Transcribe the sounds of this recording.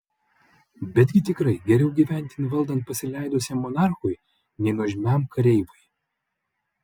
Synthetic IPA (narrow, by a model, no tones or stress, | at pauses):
bʲɛd̪ʲɡʲɪt̪ʲɪkɾɐɪɡʲɛɾʲɛʊɡʲiːʋʲæˑnʲt̪ʲɪnʋɐlˠd̪ɐnt̪̚pɐsʲɪlʲæˑɪd̪osʲɛmɔnɑˑɾxʊj | nʲɛɪnɔʒʲɪmʲæˑmkɐɾʲɛɪʋʊj